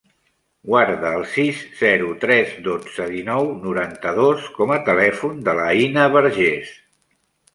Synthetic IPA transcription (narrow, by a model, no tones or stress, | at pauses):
ɡwaɾðəːlˠsisz̥ɛɾut̪ɾɛzðod͡zəðinɔwnuɾant̪əðoskɔmət̪əlɛfund̪ələinəβəɾʒes